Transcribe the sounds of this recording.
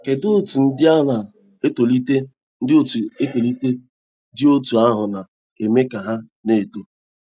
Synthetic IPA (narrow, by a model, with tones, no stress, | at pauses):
ke˨dʊ˦˨tu˨n̩˦dɪ˦a˦na˨ | e˦to˨li˦te˦ | n̩˦do˦tu˨e˦to˨li˦te˦ | dɪ˦o˦tu˨a˦ɦʊ˨na˨ | e˨me˦ka˨ɦa˦ | ne˨to˨